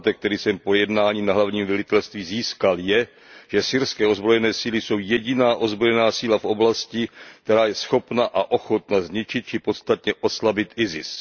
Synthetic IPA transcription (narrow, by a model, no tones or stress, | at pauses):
t̪ɛkt̪ɛɾiːsɛmpo̞jɛdnaːɲiːnaɦlavɲiːmvɛlɪt̪ɛlst̪viːziːskaljɛ | ʒ̥ɛsɪɾskɛːozbɾo̞jɛnɛːsiːlɪso̞wjɛɟɪnaːʔo̞zbɾo̞jɛnaːsiːlafʔo̞blascɪkt̪ɛɾaːjɛsxo̞pnaʔaʔo̞xo̞t̪nazɲɪt͡ʃɪt̪̚t͡ʃɪpo̞t̪st̪at̪ɲɛʔo̞slabɪt̪ʔɪzɪ̰s